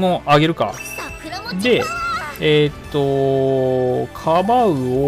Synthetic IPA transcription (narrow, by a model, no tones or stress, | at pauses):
moʔaɡʲe̞ɾɯ̟ka̰ | d̪e̞et̪ːo̞ | kʰabaɯ̟o